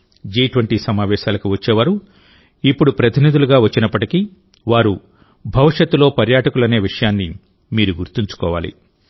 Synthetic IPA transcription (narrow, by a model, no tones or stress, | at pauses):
d͡ʒiːʈʋɐɳʈisɐmaːʋɛːʃaːlɐkiʋɐt͡ʃːeːʋaːɾu | ipːuɽupɾɐt̪ʰinid̪uluɡaːʋɐt͡ʃːinɐpːɐʈiki | ʋaːɾu | bʱɐʋiʂjɐt̪ːulo̞ːpɐɾjaːʈɐkulɐne̞ːʋiʂɐjaːnːi | miːɾuɡuɾt̪iɲt͡ʃu̥kɔːʋa̰ːlḭ